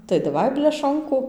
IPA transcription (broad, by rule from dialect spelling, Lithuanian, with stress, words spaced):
tɐɪ dɐˈʋɐɪ bʲlʲɛˈʃoːŋkʊ